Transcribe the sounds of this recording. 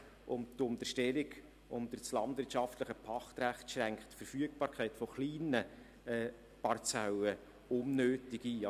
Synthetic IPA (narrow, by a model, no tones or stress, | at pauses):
ʔʊmt̪ʊnt̪əʃtɛliɡ | ʊmd̥̪əɾt͡slɑndʋɪɾtt͡ʃɑftləχəpʰɑχt̪ɾæχtʃɾæŋkχtfəɾfyək̚b̥ɑːɾkʰɛɪtfɔχliːnə | ɛː | pɑɾt͡sawə | ʊnːøːtɪɡiɑ